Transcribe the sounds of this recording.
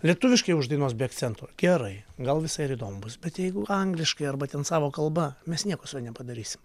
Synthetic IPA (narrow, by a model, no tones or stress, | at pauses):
lʲiɛt̪ʊʋʲɪʃkɐɪʊʒd̪ɐɪnoːsbʲeːɐkt̪sʲɛnt̪oːɡʲɛɾɐɪɡɐlˠʋʲɪsɐɪɪɾiːd̪oːmʊbʊsbʲɛt̪jɛɪɡʊʔɐŋɡlʲɪʃkɐɪɐrbɐt̪ʲɛnsɑːʋoːkɐlˠbɐmʲɛsnʲiɛkoːsʊɛːnʲɛpɐd̪ɐɾʲiːsʲɪ̥m